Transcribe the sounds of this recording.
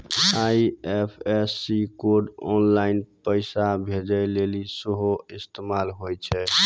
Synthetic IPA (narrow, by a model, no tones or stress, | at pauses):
aiepʰesːikoɖɔnlainpəɪsabʱed͡ʒəlelisəɦoist̪emalɦojt͡ʃʰɛ